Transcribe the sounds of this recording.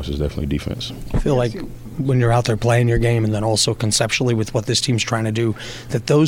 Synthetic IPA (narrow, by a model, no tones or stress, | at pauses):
sɨzdɛfənətˡlḭdɨfɛ̰̃nsfilaɪk | wə̃njə˞aʊt̪̚ðə˞pʰl̥eɪɪ̃ŋjə˞ɡẽɪ̃m̃nðə̃ñɔlˠsoʊkʰɨ̃nsɛpʃnl̩ˠiwɨðwʌt̪̚ðɪstʰĩmztʰɹ̥aɪɪ̃ŋtʰɨdɨ | ðɨt̪̚ðoʊ